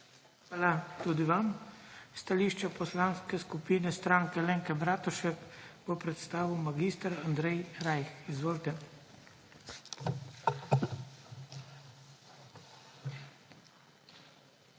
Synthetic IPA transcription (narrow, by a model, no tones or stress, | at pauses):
xʋaːlat̪ud̪iʋamst̪aliʃt͡ʃapɔslaːnskɛskupiːnɛst̪ɾaːŋkɛlɛŋkɛbɾaːt̪ɔʃɛkbɔpɾɛt̪st̪aːʋiwmaɡiːst̪əɾand̪ɾɛjɾajxizʋoːlt̪ɛ